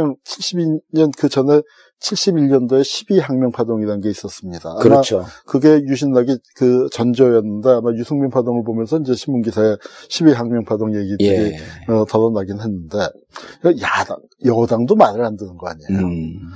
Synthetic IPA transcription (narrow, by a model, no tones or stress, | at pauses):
ʌŋt͡ɕʰiɭɕ͈ibiɲʌnkɯd͡ʑʌne̞ | t͡ɕʰiɭɕ͈ibiɭɲʌndoe̞ɕʰibiɦaŋmjʌŋpʰadoŋiɾanɡe̞is͈ʌs͈ɯmɲidaaɯɾmat͡ɕʰokɯɡe̞juɕʰinːaɡikɯt͡ɕʌnd͡ʑʌjʌnːɯnde̞amajusʰuŋmjiŋpʰadoŋɯɭbomjʌnsʰʌind͡ʑe̞ɕʰimːunɡisʰae̞ɕʰibiɦaŋmjʌŋpʰadoŋje̞ɡidɯɾiʌtʌɾʌnaɡinɯɦe̞nːɯnde̞ | ʌjada̰ŋ | jʌdaŋdomaɾɯɭhandɯnɯnɡʌa̰ɲejo